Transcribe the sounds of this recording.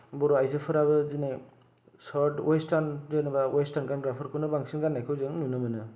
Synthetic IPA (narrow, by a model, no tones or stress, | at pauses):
bɔɾɔajsɯpʰɯɾaβɯzine | saɾdwɔjstanzenɯbawɔjstanɡanɡɾapʰɯɾkʰɯnɯbaŋsinɡanːajkʰɯwzeŋnunɯmɯnɯ